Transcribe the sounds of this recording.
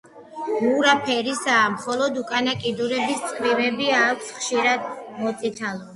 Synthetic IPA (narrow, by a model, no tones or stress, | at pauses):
muɾapʰɛɾisaːmχɔlˠɔd̪ukʼanakʼid̪uɾɛbist̪sʼqʼɾivɛbiaːkʷʰsχʃiɾad̪mɔt̪sʼit̪ʰalˠɔ